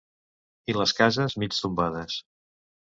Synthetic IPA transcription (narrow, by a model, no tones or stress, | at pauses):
iləskazəzmit͡st̪umbaðəs